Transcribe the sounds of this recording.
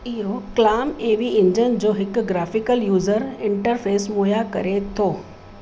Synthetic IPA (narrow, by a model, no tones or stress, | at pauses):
iːɾoklaːmeːʋiɪ̃ɲd͡ʑənd͡ʑoːɦɪkɡɾaːfɪkəljuːzəɾɪ̃ɳʈəɾfeːsmoːjakɐ̰ɾet̪ʰoː